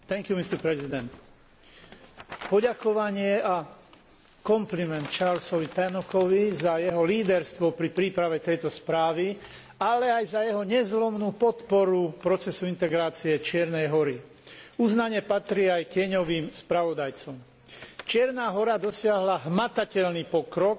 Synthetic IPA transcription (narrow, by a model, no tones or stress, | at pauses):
t̪ɛŋkjumist̪ɛɾpɾɛzid̪ɛnt̪ | pɔɟakɔʋaɲɪɛa | kɔmplimɛnt̪t͡ʃaɾlsɔʋit̪anɔkɔʋizajɛɦɔliːd̪ɛɾst̪ʋɔpɾipɾiːpɾaʋɛt̪ɛjt̪ɔspɾaːʋi | alɛajzajɛɦɔɲɛzlɔmnuːpɔt̪pɔɾupɾɔt͡sɛsuint̪ɛɡɾaːt͡siɛt͡ʃɪɛɾnɛjɦɔɾi | uznaɲɛpat̪ɾiːajkɪɛɲɔʋiːmspɾaʋɔd̪ajt͡sɔm | t͡ʃɪɛɾnaːɦɔɾad̪ɔsɪaɦlaɦmat̪acɛʎnipɔkɾɔk